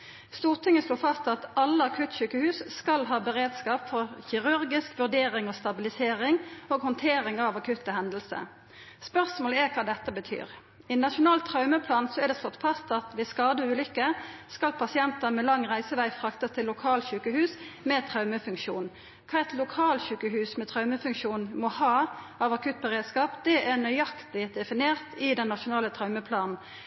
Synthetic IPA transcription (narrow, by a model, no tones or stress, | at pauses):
st̪uːʁt̪ʰɪŋːəsloːfɑst̪ɑt̪ɑlːəɑkʰʉt̪ɕʉːkəhʉːsskɑlɦɑːbəʁeːd̪skɑːpfɔʁçɪʁʉʁɡɪskʋʉʁd̪eːʁɪŋoːst̪ɑbɪlɪseːʁɪŋoːɡhɔnt̪ʰeːʁɪŋɑʋɑkʰʉt̪ːəhɛnd̪lsə̰ | spœʁsmoːləɛkʰɑːd̪ɛt̪ːəbət̪ʰy̰ːʁ | ɪnɑʃʊnɑːlt̪ʰʁɑʉməpʰlɑːnsɔɛʁd̪ɛslɔt̪ːfɑst̪ɑt̪ʋɪskɑːd̪əʉːlʏkːəskɑlpʰɑsɪɛnt̪ənmɛlɑŋʁæɪsəʋæɪfʁɑkt̪əst̪ʰɪlːʊkʰɑːlt̪çʉːkəhʉːsmɛt̪ʰʁɑʉməfʉŋkʂuːn | kʰɑːɛt̪lʊkʰɑːlçʉːkəhʉːsmɛt̪ʰʁɑʉməfʉŋkʃuːnmɔhɑː | ɑʋɑkʰʉt̪̚bəʁeːd̪skɑːpd̪ɛʔænœʏjɑkt̪ɪd̪ɛfɪneːʁt̪ɪd̪ɛnːɑʃʊnɑːlət̪ʰʁɑʉməpʰlɑːnn̩